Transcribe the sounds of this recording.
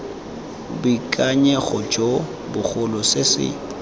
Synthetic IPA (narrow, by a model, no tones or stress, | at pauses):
bʊikʼaɲɛɣɔd͡ʒo | bʊk͡xʰʊlɔsesɪ̰